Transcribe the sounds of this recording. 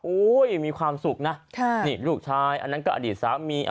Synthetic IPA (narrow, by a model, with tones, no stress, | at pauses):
ʔu˦˥jmiː˧kʰwaː˧msu˨˩k̚na˦˥˩kʰa˥˩niː˥˩luː˥˩k̚t͡ɕʰaː˦˥˩jʔa̰˧nːa˦˥nkɔ˥˩ʔa˧diː˨˩t̪̚saː˩˦mːiː˧ʔ